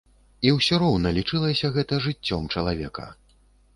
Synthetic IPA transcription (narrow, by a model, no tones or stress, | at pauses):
iwsʲɔɾɔwnɐlʲit͡ʂɨlˠɐsʲɐɣɛt̪ɐʐɨt͡sʲːɔmt͡ʂɐlˠavʲɛkɐ̰